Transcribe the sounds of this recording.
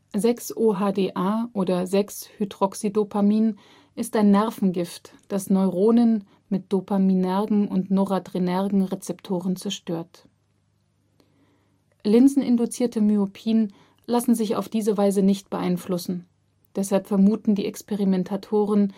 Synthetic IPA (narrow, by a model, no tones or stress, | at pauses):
zɛksʔoɦaːdeːʔaːʔoːdɐzɛkshydʁ̥ɔksidopʰamiːn | ʔɪstaɪnːɛɐfn̩ɡɪftd̥asnɔʏʁoːnən | mɪt̚d̥opʰaminɛɐɡŋ̩ʊntnoʁadʁ̥inɛɐʁɡŋ̩ʁet͡sɛptʰoːʁ̞ənt͡sɛɐʃtøːɐt | lɪnzn̩ɪndut͡siːɐtəmyopʰiːn | lasn̩zɪça̰ʊfd̥iːzəvaɪzənɪçt̚b̥əʔaɪnflʊsn̩ | d̥ɛshalpfɛɐmuːtn̩diːʔɛkspeʁimɛntʰatʰoːʁ̞ən